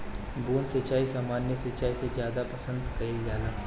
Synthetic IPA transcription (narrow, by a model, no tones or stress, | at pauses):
buːnsɐt͡ʃaːisaːmaːnjəsɐt͡ʃaːisezjaːd̪apɐsə̃nd̪kɐild͡ʒaːlaː